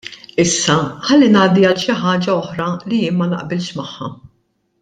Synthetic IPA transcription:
ɪsːɐħɐlːinɐːd̪iɐt̪ʃɪħɐːd͡ʒɐɔħɾɐlijɪːnmɐnɐ̰ʔbɪlʃmɐħːɐ̰

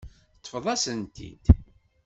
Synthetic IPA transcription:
t̪ˤːfðˤæsənt̪ḭd̪

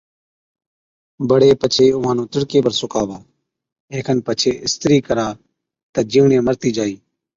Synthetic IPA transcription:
bəɽeːpət͡ʃʰeːʊʋãːnũːt̪əɽkeːbəɾsʊkaːʋaː | eːkʰənpət͡ʃʰeːʔɪst̪ɾiːkəɾaː | t̪aːd͡ʒiːʋɳẽːməɾt̪iːd͡ʒaːiː

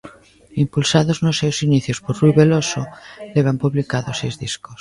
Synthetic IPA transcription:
impulsaðoznosːewsiniθjospoɾruiβelosoleβ̞ampuβlikaðosejzðisko̥s

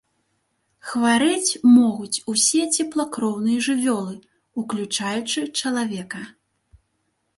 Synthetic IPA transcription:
xvaɾɨt͡sʲmɔɣut͡sʲusʲɛt͡sʲɛplˠɐkɾɔwnɨjɐʐɨvʲɔlˠɨ | uklʲut͡ʂajut͡ʂɨt͡ʂɐlˠavʲɛkɐ

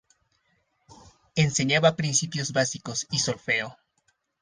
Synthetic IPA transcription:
ense̞ɲaβapɾinsipjo̞zβasiko̞sisolfe̞o

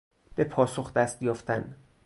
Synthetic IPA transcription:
b̥e̞pʰɒːso̞xd̪æst̪jɒːft̪ʰæn

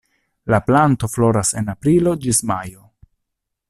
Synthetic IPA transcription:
laplanto̞flo̞ɾase̞̰napɾilo̞d͡ʒismajo

